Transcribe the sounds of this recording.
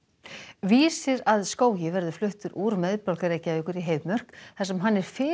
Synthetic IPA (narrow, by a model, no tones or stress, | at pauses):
viːsɪɾaðskoːwjɪvɛɾðʏflʏht̪ʏɾʔuːɾmɛðpɔlkaɾejcːɪaðɪhkʏɾiɦeːjvmœr̥kθḁsɛmɦanːɛɾ̥fɪː